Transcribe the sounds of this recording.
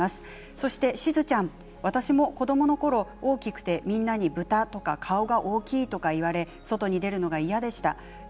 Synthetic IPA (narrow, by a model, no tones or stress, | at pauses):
asɨ̥ | so̞ɕi̥t̪e̞ɕizɨt͡ɕãɴ̃ | βat̪aɕimo̞ko̞d̪o̞mo̞no̞ko̞ɾo̞o̞ːkʲikɯ̟̥t̪e̞mʲĩnːaɲ̟ibɯ̟t̪at̪o̞kakʰao̞ɡaʔo̞ːkʲiːt̪o̞kaiβaɾe̞ | so̞t̪o̞ɲ̟id̪e̞ɾɯ̟no̞ɡaijad̪e̞ɕi̥t̪a